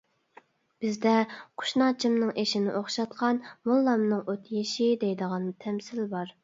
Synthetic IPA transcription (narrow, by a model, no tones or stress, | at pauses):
b̥ɪzd̪ɛqʰʊ̥ʃnɑːt͡ʃʰimnɨŋʔeʃɪnɪʔoχʃɑt̪̚qʰɑnmulˠːɑmnɨŋʔot̪ʰjeʃid̪ejd̪əʁɑnt̪ʰɛmsɪlbɑɾ